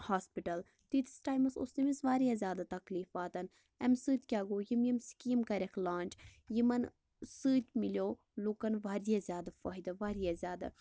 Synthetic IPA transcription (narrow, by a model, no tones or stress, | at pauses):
haːspiʈɐl | t̪it̪i̥sʈaːjmɐso̰st̪imisʋaːɾijazʲjaːd̪at̪ɐkliːfaːt̪ɐn | ɛmsɨːt̪ʲkʲaːɡoːjimjimskiːmkɐɾʲekʰlaːnt͡ʃjimɐn | sɨːt̪ʲmilʲjoː | loːkɐnʋaːɾijazʲjaːd̪afɐɦid̪ɐʋaːɾijazʲjaːd̪a̰